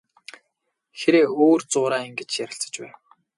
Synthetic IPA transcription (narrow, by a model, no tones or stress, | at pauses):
xeɾeːoːrt͡sʊːɾaːeŋɡĕt͡ɕjæɾʲɪ̆ɬt͡sə̥̆t͡ɕpæːn